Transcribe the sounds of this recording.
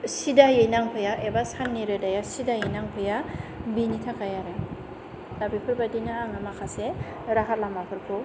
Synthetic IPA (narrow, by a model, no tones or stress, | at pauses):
sidajejnaŋpʰɯjaʔebasanːiɾɯdajasidajejnaŋpʰɯjabinitʰakajaɾɯ | dabipʰɯɾbadinɯaŋamakʰase | ɾaɦʰat̚lamapʰɯɾpʰɯ